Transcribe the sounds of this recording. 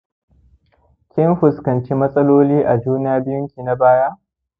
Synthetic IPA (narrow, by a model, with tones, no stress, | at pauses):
kʲɪ˦nɸʊ˨skɐ˨nt͡ʃi˦mɐ˦sʼɐ˦loː˦liː˦ʔa˨d͡ʒuː˦na˦jaː˦bɪ˦ʊ˦ŋkʲiː˨na˦baː˦ja˦ʔ